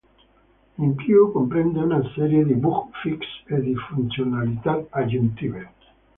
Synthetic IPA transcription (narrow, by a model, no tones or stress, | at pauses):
imkiokompɾend̪eunaseɾjed̪ibukfiksed̪ifunt̪sjonalit̪at̪ad͡ʒunt̪iβe